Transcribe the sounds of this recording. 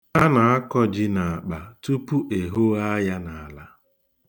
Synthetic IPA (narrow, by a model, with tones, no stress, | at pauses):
a˦na˨a˦kɔ˦d͡ʒɪ˦na˨a˨k͡pa˨tu˦pu˦ʔe˨ɦo˦a˦ja˦na˨a˨la˦